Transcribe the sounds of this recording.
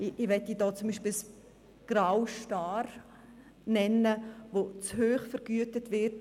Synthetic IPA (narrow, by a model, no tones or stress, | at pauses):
ɪʋɛtːidɔːt͡sumbiːʃpɪls | ɡ̥ɾawʃtaːɾ | nɛnːəʋot͡shøːχfəɾɡyətətʋɪt